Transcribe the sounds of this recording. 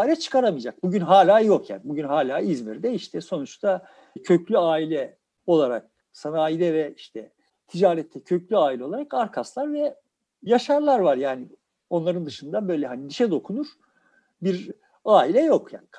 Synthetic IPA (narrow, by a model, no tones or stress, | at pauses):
ailʲɛt͡ʃʰɯ̥kʰaɾamɯjd͡ʒak̚buɟynɦaːlʲaːjo̞kja̰ːnibuɟynɦaːlʲaːizmiɾd̪ɛiʃt̪ʰɛso̞nut͡ʃt̪ʰa | cʰøclʲyaːilʲɛ | o̞lˠaɾak̚ | sanaːjid̪ɛvɛiʃt̪ʰɛ | t̪ʰid͡ʒaːɾɛt̪ʰːɛcʰø̞clʲyaːilʲɛo̞lˠaɾakaɾkʰaslˠaɾvɛ | jaʃaɾlˠaɾvaɾjaːni | o̞nlˠaɾɯnd̪ɯʃɯnd̪abø̞jlʲɛɦanid̪iʃɛd̪o̞kʰunuɾ̥ | biɾ | aːilʲɛjo̞kja̰ːnikʰ